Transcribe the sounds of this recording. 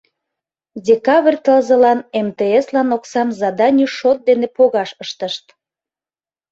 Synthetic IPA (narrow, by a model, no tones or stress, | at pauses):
dʲekɑβrʲt̪əlzəlɑnemt̪eeslɑnoksɑmzɑd̪ɑnʲyʃot̪̚d̪enepoɣɑʃəʃt̪əʃt̪